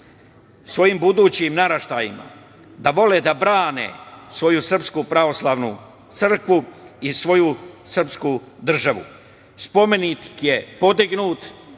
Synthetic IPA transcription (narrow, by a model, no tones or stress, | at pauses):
sʋo̞jimbud̪uːt͡ɕimnaɾaʃt̪aːjima̰ | d̪aʋo̞led̪abɾaːnḛsʋo̞jusr̩pskupɾaʋo̞slˠaːʋnu | t̪sɨr̩kʋuisʋo̞jusr̩pskuːd̪r̩ʒaʋṵ | spo̞me̞nit̪i̥kje̞po̞d̪iɡnuːt̪